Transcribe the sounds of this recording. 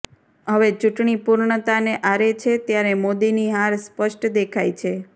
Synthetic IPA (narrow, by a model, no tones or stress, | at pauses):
ɦəʋet͡ʃuʈɳipuɾɳət̪aneʔaɾet͡ʃʰet̪jaɾemod̪iniɦaɾspəʃʈd̪ekʰajt͡ʃʰe